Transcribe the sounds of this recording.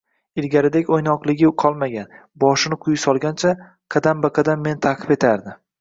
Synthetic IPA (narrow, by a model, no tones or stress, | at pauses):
ɪlɡʲaɾɪd̪ekʲojnɒqlˠɪɡʲɪqʰɒlˠmaɡʲan | bɒʃɪnɪqʰʊjɪsɒlˠɡʲant͡ʃʰa | qʰɑd̪ambɪqʰɑd̪amːe̞nt̪ʰaqʰɨ̥pe̞t̪ʰaɾd̪ɪ